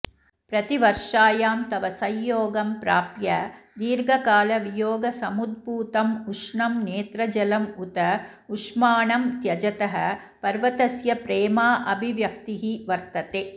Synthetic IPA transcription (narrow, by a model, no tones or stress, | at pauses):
pɾɐt̪iʋɐɾʂaːjaːmt̪ɐʋɐsɐjːoːɡɐmpɾaːpjɐd̪iːɾɡʱɐkaːlɐʋijoːɡɐsɐmud̪̚buːt̪ɐmuʂɳɐmneːt̪ɾɐd͡ʒɐlɐmut̪ɐ | uʂmaːɳɐmt̪jɐd͡ʒɐt̪ɐɦɐ | pɐɾʋɐt̪ɐsjɐpɾeːmaːʔɐbʱiʋjɐk̚t̪iɦiʋɐɾt̪ɐt̪eː